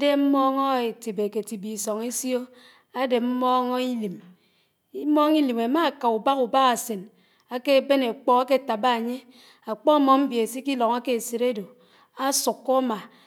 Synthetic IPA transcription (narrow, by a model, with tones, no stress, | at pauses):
de˦m̩˦mɔ˦ŋɔ˦e˨ti˨be˨ke˨ti˨bi˨sɔ˨ŋe˦sjo˦ | a˦de˨m̩˦mɔ˦ŋo˦i˦li˨m | i˦mɔ˦ŋi˦li˨me˨ma˦˨ka˨u˨ba˦ku˨ba˦ɣa˨se˨n | a˦ke˦˨be˦ne˨k͡pɔ˦ka˦ke˦˨ta˨ba˦a˨ɲe˦ | a˨k͡pɔ˦mɔ˨m̩˦vi˨e˨si˦ki˦lɔ˨ŋa˦ke˦˨se˨ɾe˦do˨ | a˦su˨kːɔ˦ma˨